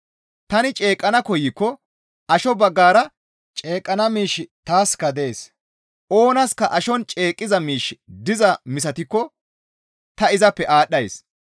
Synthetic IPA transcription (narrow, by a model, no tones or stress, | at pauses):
t̪ɐnɪt͡ʃʼe̞ːkʼːɐnɐkɔjɪkːɔ | ʔɐʃɔbɐɡːaːɾɐ | t͡ʃʼe̞ːkʼːɐnɐmiːʃɪt̪aːskɐd̪e̞ːs | ʔo̞ːnɐskɐʔɐʃɔnt͡ʃʼe̞ːkʼːɪzɐmiːʃd̪ɪzɐmɪs̬ɐt̪ɪkːɔ | t̪ɐɪzɐpːɛʔaːɗːɐjs